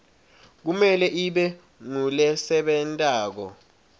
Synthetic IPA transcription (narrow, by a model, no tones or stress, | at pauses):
k̬umɛlɛʔiɓɛ | ŋulɛsɛɓɛntʼaːk̬ɔ̰